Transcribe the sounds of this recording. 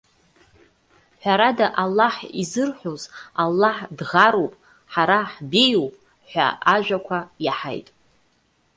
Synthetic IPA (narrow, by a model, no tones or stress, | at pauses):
ħʷᶣaɾadaʔalːaħizɨrħʷozalːaħdʁaɾowpʼ | ħaɾaħbejowpʼ | ħʷᶣa̰ʔaʒʷᶣakʷʰajaħa̰jtʼ